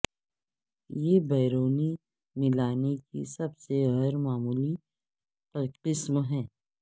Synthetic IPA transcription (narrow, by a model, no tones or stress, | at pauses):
jeːbɛːɾoːni | mɪlaːnekḭsɐbseɣɛːɾmaːmuːli | pɐqɪsmɦɛ̃ː